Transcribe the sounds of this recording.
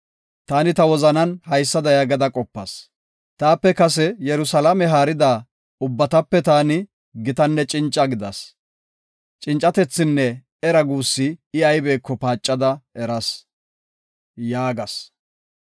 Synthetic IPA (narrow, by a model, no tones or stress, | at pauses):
t̪aːnɪt̪ɐwɔzɐnɐnhɐjsːɐd̪ɐjɐɡɐd̪ɐkʼɔpːɐs | t̪aːpːɛkɐsɛjɛɾʊsɐlɐmɛɦaːɾɪd̪aː | ʊbːɐt̪ɐpːɛt̪aːnɪ | ɡɪt̪ɐnːɛt͡ʃʼɪnt͡ʃʼːɐɡɪd̪ɐs | t͡ʃʼɪnt͡ʃʼːɐt̪ɛt͡sːɪnːɛ | ɛɾɐɡuːsːɪɪɐjbeːkːɔpaːt͡ʃʼːɐd̪ɐɛɾɐs | jaːɡɐs